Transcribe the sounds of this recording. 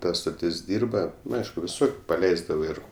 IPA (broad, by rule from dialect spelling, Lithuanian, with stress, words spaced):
ˈtɐ stoːˈtʲɪs ˈdʲiːrbɐ nʊ ˈɐɪʃkʊ ʋʲɪˈsʊr pɐˈlʲɛɪzdɐʋoː ˈɪr